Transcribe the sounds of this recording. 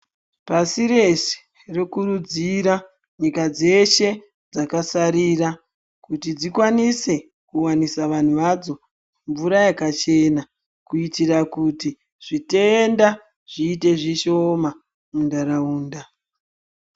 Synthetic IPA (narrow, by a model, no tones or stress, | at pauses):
pasiɾe̞se̥ | rekurud͡ziɾa | ɲikad͡ze̞ʃe̞ | d͡zakasaɾira | kutid͡zikwanise̞ | kuwanisaʋan̤uʋad͡zo̞ | ɱvuɾajekat͡ʃe̞na | kuitirakuti | ʐ̥ite̞nda | ʐ̥iːte̞ʐiʃo̞ma | undaɾauːnda